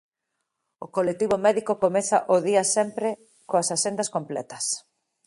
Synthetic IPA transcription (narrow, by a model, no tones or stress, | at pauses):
okolek̚t̪iβomɛðikokomɛθɐʔoðiɐsɛmpɾɪ | koɐsasend̪ɐskomplɛ̰t̪ɐ̥s